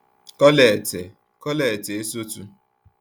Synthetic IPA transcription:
kɔ˦le˨te˨ | kɔ˦le˨te˨e˦so˦tṵ˦

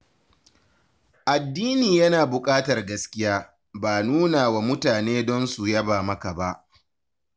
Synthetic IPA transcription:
ʔa˨dːiː˦niː˨jɐ˦naː˨bʊ˨kʼaː˦tɐ˨rɡɐ˦skʲɪ˦jaː˦ | baː˨nuː˦naː˨wa˨mʊ˦taː˨neː˦dɔ˦nsu˨jɐ˦baː˨mɐ˦ka˨ba˦ʔ

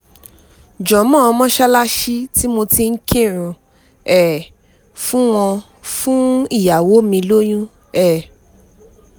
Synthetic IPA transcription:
d͡ʒɔ̃˨˦mɔ̃˦ɔ˧mɔ̃˦ʃa˦la˦ʃi˦ti˦mo˧ti˧ŋ̩˦kʰe˦˨ɾ̃ũ˧ | ɛ˦˨ | fũ˦w̃ɔ̃˧ | fũ˦i˦˨ja˨wo˨˦mĩ˧lo˦j̃ũ˦ | ɛ˦˨

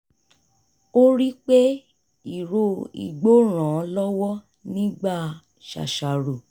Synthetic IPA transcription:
o˦ɾi˦k͡pe˦ | i˦˨ɾo˧ḭ˨ɡ͡bo˦ɾ̃ã˨ɔ˨˧lɔ˦wɔ˦ | nĩ˦ɡ͡ba˦˨ | ʃa̰˨ʃa˨ɾu˨

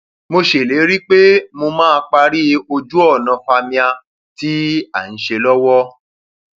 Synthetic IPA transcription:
mo˧ʃe˨le˨˦ɾi˦k͡pe˦mo˧mãː˦˧k͡pa˧ɾi˦o˧d͡ʒu˦ɔ˦˨nã˨˧fa˧mĩ˧a˧ | ti˦a˦˨n̩˨˦ʃe˧lɔ˦wɔ˦

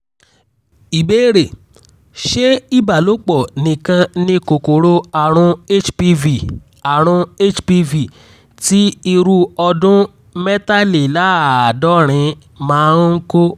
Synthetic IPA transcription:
i˨be˦ɾe˨ | ʃe˦i˦ba˨lo˨˦k͡pɔ˦˨nĩ˨kã˧nĩ˧ko˨ko˨ɾo˦a˨ɾ̃ũ˧e˦t͡ʃpi˦vi˨ | a˨ɾ̃ũ˧e˦t͡ʃpi˧vi˨ | ti˦i˧ɾu˦ɔ˧dũ˦ | mɛ˦ta˦le˨la˨˦˨a˨dɔ˦ɾ̃ĩ˧ | mãː˦˧˦ŋ̩˦ko˦

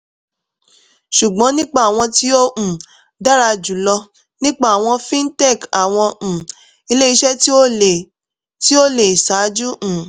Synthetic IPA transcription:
ʃu˨ɡ͡bɔ̃˨˦nĩ˦k͡pa˦˨w̃ɔ̃˧ti˦o˦ũ˨ | da˦ɾa˧d͡ʒu˨lɔ˧ | nĩ˦k͡pa˦˨a˨w̃ɔ̃˧fĩ˦n̩˦tɛ˦˨ka˨w̃ɔ̃˧˨ | i˧le˦i˧ʃɛ˦ti˦o˦e˨ | ti˦o˦le˨i˨sa˨˦d͡ʒu˦ʔ̩˨

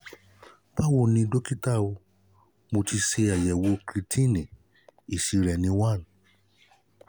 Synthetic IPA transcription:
pa˦wo˦˨nĩ˧do˦ki˦ta˦o˧ | mo˧ti˧ʃe˧a˨jɛ˨wo˨˧kɾi˧tʰĩ˦˨nĩ˨ | i˨ʃi˨˧ɾɛ˨nĩ˧˦wã˦˨n˨

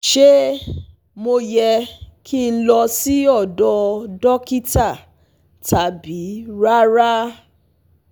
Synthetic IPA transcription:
ʃe˦ | mo˧jɛ˧kʰi˦˨˧n̩˦lɔ˧si˦ɔ˦˨dɔ˧dɔ˦ki˦ta˦˨ | ta˨bi˨˦ɾa˦ɾa˦

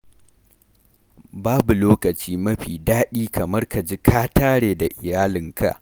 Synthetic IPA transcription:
baː˦bu˨loː˦kɐ˨t͡ʃiː˦mɐ˦ɸiː˨daː˦ɗiː˦kɐ˨mɐ˦rka˨d͡ʒi˦kʰaː˦taː˦ɽeː˨da˨ʔɪ˨jaː˦lɪ˨ŋkʰa̰˦˨ʔ

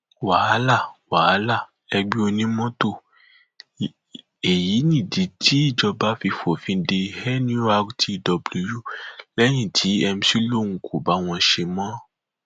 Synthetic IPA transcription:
waː˨˦la˦˨wa˨˦la˦˨ | ɛ˧ɡ͡be˦o˧nĩ˦mɔ̃˦to˦˨ | e˨ji˨˦nĩ˦˨de˨˦tʰi˦i˦˨d͡ʒɔ˧ba˦fi˧fo˨fĩ˧de˧hɛ˦ñ˦u˦a˧ɡtʰi˦˨dɔ˧blu˧ju˦lɛ˦j̃ĩ˦˨tʰi˨˦ɛ˧m̩̃˦si˦lo˦˨ŋũ˨kʰu˨ba˨˦w̃ɔ̃˧ʃe˧mã˦

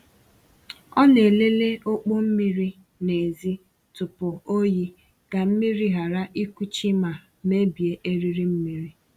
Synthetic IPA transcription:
ɔ˦ne˨le˦le˦o˦k͡po˦m̩˦mi˦ɾi˦ | ne˨zi˦ | tʊ˨pʊ˨o˦ji˦ | ɡ̥a˨m̩˦mi˦ɾi˦ɦa˨ɾa˦ʔi˦kʷu˦t͡ʃi˦ma˨ | me˦bi˨e˦ʔe˦ɾi˦ɾi˦m̩˦mi˦ɾi˦

